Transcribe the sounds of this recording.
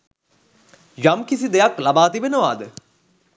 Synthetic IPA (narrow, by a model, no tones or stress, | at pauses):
jamkisid̪ejaklabaːt̪ibenəʋaːd̪ə